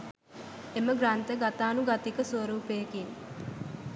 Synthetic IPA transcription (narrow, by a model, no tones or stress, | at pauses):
eməɡɾant̪əɡat̪aːnuɡat̪ikəswəɾuːpejəkin